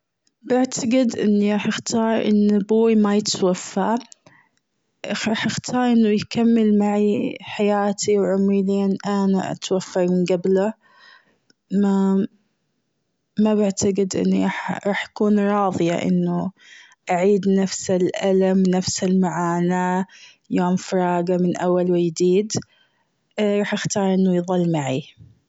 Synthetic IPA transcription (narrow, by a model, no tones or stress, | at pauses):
bɪʕt̪ʰaɡɪd̪ʔɪ̰nːiɾˤɑːħɪxt̪ʰɑːɾˤʔɪ̰nːbuːimajɪt̪wafːa | ʔɾˤɑːħʔɪxt̪ʰɑːɾˤʔɪnːʊjkamːɪlmaʕiħajaːt̪ʰiwʕʊmiliːnʔanaʔa̰t̪wafːamɪnɡabla | ma | mabaʕt̪aɡɪd̪ʔɪ̰nːiɾɑħɾˤɑːħʔakuːnɾˤɑːðˤɨja̰ʔɪ̰nːʊ | ʔaʕiːd̪nafsɪlʔalamnafsɪlmaʕaːna | joːmfɾˤɑːɡamɪnʔawːalwɪjd̪iːd̪ | ɾˤɑːħʔɪxt̪ɑːɾˤʔɪnːʊjðˤɑlːmaʕi